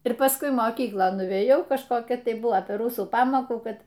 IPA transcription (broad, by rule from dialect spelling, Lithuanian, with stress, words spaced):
ɪr pɐsˈkʊɪ moːˈkʲiːklˠoːn nʊʋʲeːˈjɛʊ kɐʃˈkoːkʲɛ tɐɪ ˈbʊʋoː pʲɛr ˈrʊsuː ˈpɑːmoːkuː ˈkɐt